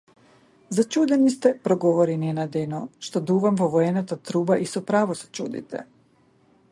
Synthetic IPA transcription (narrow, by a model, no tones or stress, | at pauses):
zat͡ʃuːd̪enist̪ɛpɾoɡoʋoɾinienad̪enoʃt̪od̪uːʋamvoʋojenat̪at̪ɾuːbaʔisopɾaːʋosḁt͡ʃṵːd̪ḭt̪ɛ̰